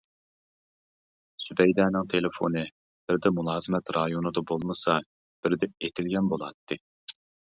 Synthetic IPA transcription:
syd̪ɛjd̪ɛːnɪŋt̪ʰelɪfo̰nɨ | b̥ɪɾd̪ɛmulˠɑːzɨmɛt̪ɾɑjonɨd̪ɑbolˠmɨsɑ | b̥ɪɾd̪ɛet̪ʰɪlɡʲɛnbolˠɑt̪ːɨ

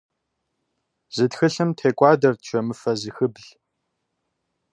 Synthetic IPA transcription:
z̥ɨtxɨɬɨmtʰeːkʷʼaːdɐrtt͡ɕʷʰɐmɨfɐzɨxɨbɮ

